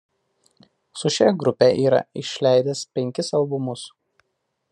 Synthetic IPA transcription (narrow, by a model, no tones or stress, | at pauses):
sʊʃʲɛɡɾʊpʲeːˑʔiːɾɐ̰ɪʃʲlʲæˑɪd̪ʲɛspʲɛŋʲkʲɪsɐlˠˑbʊmʊs